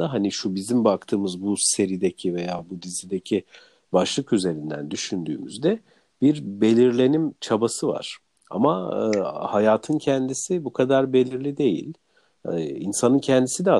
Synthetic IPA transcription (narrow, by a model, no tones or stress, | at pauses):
aɦaniʃubizimbak̚t̪ʰɯːmɯzbuse̞ɾid̪e̞cʰive̞jaːbud̪izid̪e̞cʰi | baʃlˠɯkyze̞ɾind̪æ̰nd̪yʃynd̪y̰ːmy̰zd̪ɛ | biɾbe̞lʲiɾlʲe̞nimt͡ʃʰabasɯva̰ɾ̥ | a̰ma | hajaːt̪ʰɯncʰɛnd̪isibukʰad̪aɾbe̞lʲiɾlʲid̪e̞jḭlʲ | insanɯncʰɛnd̪isid̪ɛa